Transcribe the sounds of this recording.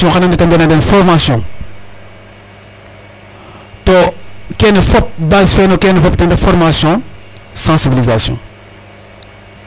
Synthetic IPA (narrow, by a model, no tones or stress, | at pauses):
ɔ̃xɐnanditɐmbɛnadɛnfɔɾmasjɔ̃ | tɔkɛnəfɔp̚bazfɛnokɛnəfɔp̚tɛ̃ndɛfɔɾmasjɔ̃ | sɑ̃sibilizasjɔ̰̃